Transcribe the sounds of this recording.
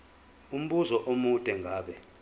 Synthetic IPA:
um̩ɓuzɔʔomudʼʱɛŋʱaːɓɛ

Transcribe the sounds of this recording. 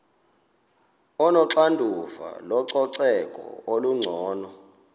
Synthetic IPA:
ɔnɔǁandʱufa̰lɔǀɔǀɛkʼɔ̰oluŋ͡ǀʱɔːnɔ

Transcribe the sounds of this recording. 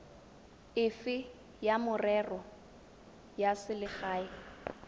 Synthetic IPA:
ɪfɪ | jamʊrɛrɔ | jasɪlɪχaːɪ

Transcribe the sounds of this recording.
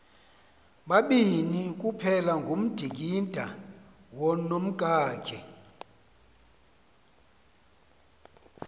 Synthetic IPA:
ɓaɓinik̬ʼupʰɛlaŋɡʱum̩d̥ʱik̬indʱa̰ | wɔnom̩kʼaːkʰɛ

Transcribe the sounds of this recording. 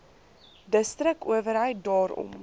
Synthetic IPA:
dəstɾəkuəvəɾɦœɥt̚dɑːɾɔ̰m

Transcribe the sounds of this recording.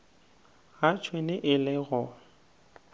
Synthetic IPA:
ɣat͡ʃʰwenɪʔɪlɪɣʊ

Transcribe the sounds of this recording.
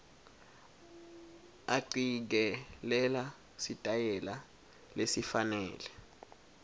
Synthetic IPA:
aǀik̬ɛlɛla | sitʼajɛla | lesifanɛːlɛ

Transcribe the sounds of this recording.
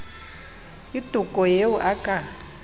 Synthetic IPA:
id̥ʱukʼɔjeuʔakʼa

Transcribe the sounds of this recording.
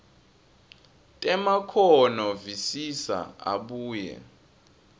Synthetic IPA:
tʼɛmakʰɔnɔvisisa̰a̰ɓuːjɛ̰

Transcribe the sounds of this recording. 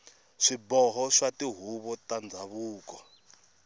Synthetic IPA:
ʂibɔɦɔʂatiɦuβɔtand͡zʱaβuːkɔ

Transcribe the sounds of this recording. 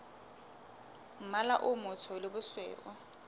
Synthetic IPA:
m̩malaʔʊmʊt͡sʰɔlɪbʊswɛ̰ːʔɔ

